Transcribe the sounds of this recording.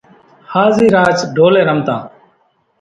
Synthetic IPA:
haːziːɾaːt͡ʃɖʱoːlẽːɾəmt̪ã̰ː

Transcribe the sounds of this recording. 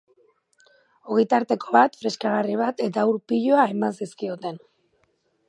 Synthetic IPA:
o̞ɣejt̪aɾt̪e̞kʰo̞βat̪fɾe̞skaɣariβat̪e̞t̪auɾpiʎo̞ae̞mansiskio̞t̪e̞n

